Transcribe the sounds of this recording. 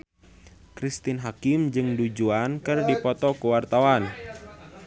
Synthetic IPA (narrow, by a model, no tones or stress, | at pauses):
kɾist̪inɦakimd͡ʒɨŋdud͡ʒuankɨrdipɔt̪ɔkuwart̪awan